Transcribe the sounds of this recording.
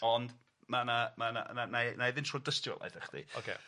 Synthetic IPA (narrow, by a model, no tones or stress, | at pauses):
ɔnd | manamana̰nananaðɪntʰrɔdəstjɔ̰lˠa̰jdɛχd̥ḭokʰḛ